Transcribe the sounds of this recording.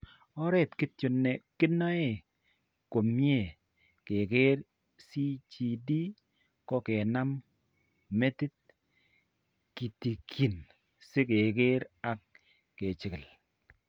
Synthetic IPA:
ɔ˦ɾɛ˦˨t̪kɪ˦tjo˨nːɛ˨kɪ˦na˦e˨ | ko˨mje˦˨ | ke˨ɡe˦ɾ | si˦t͡ʃi˨di˦ | kɔ˦ke˨na˦m | me˦tɪ˦t̪̚ | ki˨ti˨kʰi˨n | sɪ˦ke˨ke˦ɾa˦kː | e˨t͡ʃɪ˨kɪ˨l

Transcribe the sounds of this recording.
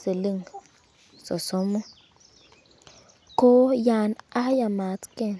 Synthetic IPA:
sə˨li˦˨ŋ | so˨so˦mo˦ | ko˦ja˨na˦ja˨ma˨t͡ske˦˨n

